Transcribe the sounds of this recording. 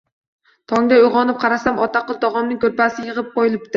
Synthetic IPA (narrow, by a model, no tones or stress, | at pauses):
t̪ʰɒŋd̪aʊjʁɒnɪp̚qʰɑɾasamɒt̪aqɨlˠt̪ʰɒʁɒmnɪŋkʲʰɵɾpasɪjɨʁɨp̚qojɪlˠɪp̚t̪ɪ